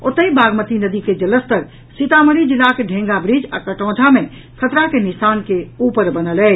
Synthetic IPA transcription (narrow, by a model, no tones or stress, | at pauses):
o̰t̪əibaɡmət̪inəd̪iked͡ʒələst̪əɾ | sit̪aməɾid͡ʒilːakeɖʱẽŋɡabɾid͡ʒa̰kəʈɔ̃ːd͡ʒʱame | kʰət̪ɾakenisaːnkeupəɾbənəlɛ